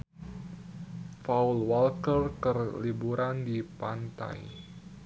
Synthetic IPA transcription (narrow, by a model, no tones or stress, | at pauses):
faulwalkərkərlibuɾʔandipant̪a̰j